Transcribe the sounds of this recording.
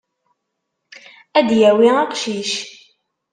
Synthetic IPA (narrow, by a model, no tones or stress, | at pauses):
æd̪jæwiɑqʃiʃ